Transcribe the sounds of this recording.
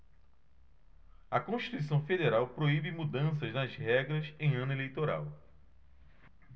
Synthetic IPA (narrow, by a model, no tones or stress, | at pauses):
ɐkõʃti̥t̪uisɐ̃w̃fed̪eɾawpɾoibɪmud̪ɐ̃s̬ɐznɐzhɛɡɾɐsẽj̃ɐ̃nelejt̪oɾa̰w